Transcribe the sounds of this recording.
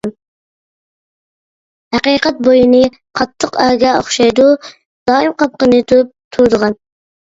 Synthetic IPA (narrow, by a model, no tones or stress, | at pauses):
n | hæqiqɛt̪̚bojinɨ | qʰɑt̪ʰːəqɑːɡʲɑo̰χʃɑjd̪u | d̪̥ɑːimqɑp̚qənɨt̪ʰuɾup̚t̪ʰuɾd̪əʁɑn